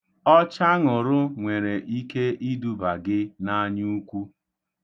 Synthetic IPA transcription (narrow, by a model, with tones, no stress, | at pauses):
ɔ˦t͡ʃa˦ŋʊ˨ɾʊ˦ŋʷe˨ɾe˨ʔi˦ke˦ʔi˦du˦ba˨ɡɪ˦na˦ɲu˦u˦kʷu˦